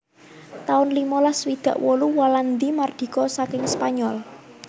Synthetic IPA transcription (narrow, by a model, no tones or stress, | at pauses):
t̪aʊnlimɔlaswid̪̥ä̤ʔwɔluwaland̪imard̪̥i̤kɔsakɪŋspaɲɔl